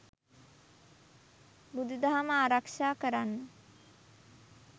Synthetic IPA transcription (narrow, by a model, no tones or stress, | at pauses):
bud̪ud̪aɦaməaːɾakʂaːkəɾanːə